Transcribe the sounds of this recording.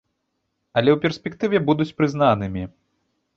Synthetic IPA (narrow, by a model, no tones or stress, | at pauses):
ɐlʲɛwpʲɛrsʲpʲɛkt̪ɨvʲɛbud̪ut͡sʲpɾɨzn̪anɨmʲi